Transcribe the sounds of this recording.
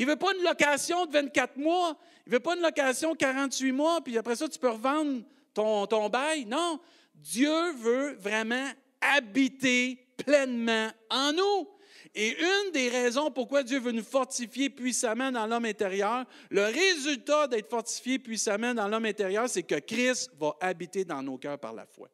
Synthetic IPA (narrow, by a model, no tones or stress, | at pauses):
ilvøpɔynlɔkasjɔ̃d̪əvɛ̃t̪̚kʲat̪mwɔ | ilvøpɔynlɔkasjɔ̃kaʁɑ̃t̪ɥimwɔpiapʁɛsʌt̪y̥pøʁvɑ̃d̪ʁ | t̪ɔ̃t̪ɔ̃ːbajnɔ̃ | d̪jøvøvʁɛmã | abit̪e | plɛnmãɑ̃nu | eʔynd̪eʁɛzɔ̃pʊʁkwad̪jøvønufɔʁt̪sifjepɥisamãd̪ɑ̃lɔmɛ̃t̪eʁjœːʁ | ləʁezylt̪ad̪ɛt̪fɔʁt̪i̥fjepɥisamãd̪ɑ̃lɔmɛ̃t̪eʁjœːʁsɛkəkʁɪst̪vʌʔabit̪ed̪ɑ̃noːkʲœːʁpa̰ʁla̰fwa̰